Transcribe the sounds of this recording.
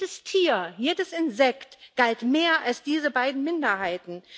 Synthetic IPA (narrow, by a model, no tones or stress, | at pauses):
dəstʰiːɐjeːdəsɪnzɛktɡ̥altmeːɐʔalsd̥iːzəbaɪdn̩mɪndɐhaɪtn̩